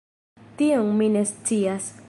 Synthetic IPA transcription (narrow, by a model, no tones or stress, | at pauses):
t̪ioŋminest͡sias